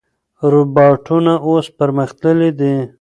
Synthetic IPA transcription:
ɾubɑʈʰunaospəɾməxt̪ləlid̪i

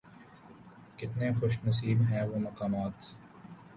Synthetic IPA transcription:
kɪt̪nexʊʃnɐs̬iːbɦɛʋoːmɐkaːmaːt̪

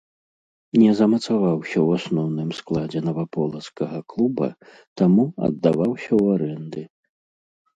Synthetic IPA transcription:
nʲɛzɐmɐt̪savawsʲɐwasnɔwnɨmsklˠad͡zʲɛnɐvapɔlˠɐt̪skɐɣɐklˠubɐ̰ | t̪amuɐ̰d̪ːavawsʲɐwaɾɛnd̪ɨ

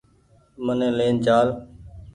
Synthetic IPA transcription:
mənẽːleːnd͡ʒaːl

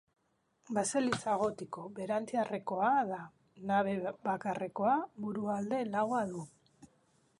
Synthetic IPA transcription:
baselit͡saɣ̞o̞t̪iko̞βe̞ɾant͡siare̞ko̞aeða | naβe̞βakare̞ko̞aβuɾuald̪e̞laɣoaðu

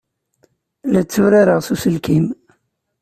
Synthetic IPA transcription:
læt͡sːuɾaɾəʁsusəlkim

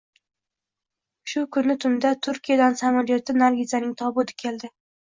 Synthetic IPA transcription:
ʃʊkʰʊnːɪt̪ʰʊnd̪at̪ʰʊɾkʲijad̪ansamaɾijot̪ʰɪnaɾɡʲɪzanɪŋt̪ʰɒbʊd̪ɪ̥kʲʰe̞ld̪ɪ

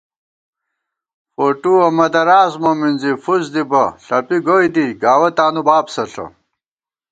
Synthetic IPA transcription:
foːʈuɐmɐd̪ɐɾaːzmɐminzifuzd̪ibɐɬɐpiɡoːjd̪iɡaːwɐt̪aːnubaːbsɐɬɐ̰

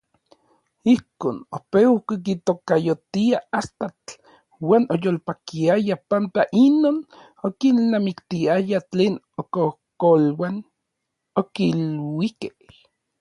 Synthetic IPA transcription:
ihkoːnopekikit̪okajot̪iaast̪at͡ɬ | waːnojoːlpakiajapant̪aʔinoːn | okinːamikt̪iajat͡ɬeːn | okohkolwan | okilwikeh

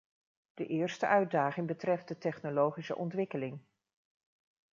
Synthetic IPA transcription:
d̥əʔɪːɹstəʔœɥdaːχɪŋbətrɛft̚dətɛχnolowχisə̰ʔɔntʋɪkəlɪŋ

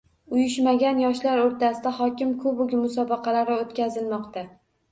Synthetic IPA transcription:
ʊjɪʃmaɡʲanjɒʃlaɾoɾt̪ʰasɪd̪aχɒkʲɪmkʰʊbʊɡʲmʊsɒbɑqɑlaɾɪot̪kʲʰazɪlmɒqt̪a

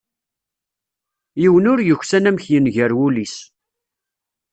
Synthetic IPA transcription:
jiwənʊɾjəçsænæmçjənʝəɾwulis

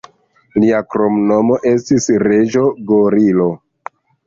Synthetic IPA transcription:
liakɾo̞mno̞mo̞ʔe̞stisɾe̞d͡ʒo̞ɡoɾilo̞

